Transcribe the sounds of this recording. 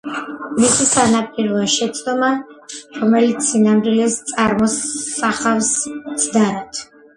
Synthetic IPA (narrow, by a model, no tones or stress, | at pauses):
misisanapʰʼiɾlˠɔʃɛt̪sʰʼd̪ɔmaɾɔmɛlit̪sʰinamɾilɛst̪sʼaɾmɔsaχafssʰd̪aɾat̪ʰ